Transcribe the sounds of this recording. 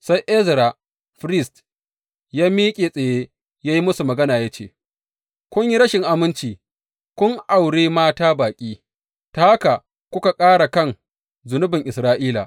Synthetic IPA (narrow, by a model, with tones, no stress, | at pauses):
sa˦jʔɛ˦zɾa˨ | ɸɾɪ˦˨st | jaː˦miː˦kʲʼeː˨sʼe˨jeː˦ | jaː˦ji˦mʊ˦su˨mɐ˨ɡɐ˦naː˨jaː˦t͡ʃḛː˨ | kʷʊ˦ɲji˦ɾɐ˦ʃɪ˨ŋʔa˨mɪ˦nt͡ʃiː˨ | kʷʊ˦ŋʔa˨wɽeː˦maː˦taː˦baː˨kʲʼiː˦ | ta˦a˦ka˨ | kʷʊ˦ka˨kʼaː˦ɽa˨kɐ˦ŋ | zʊ˨nʊ˦bɪ˨ŋʔɪ˨sɾaː˦ʔiː˦la̰˨